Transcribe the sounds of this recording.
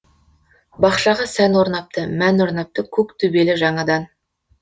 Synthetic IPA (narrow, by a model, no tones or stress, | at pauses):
bɑqʃɑʁɑsænwoɾnɑp̚t̪əmænwo̞ɾnɑp̚t̪əkʲʰɵkt̪ʰɵbe̞lɪʒɑɴɑd̪ɑn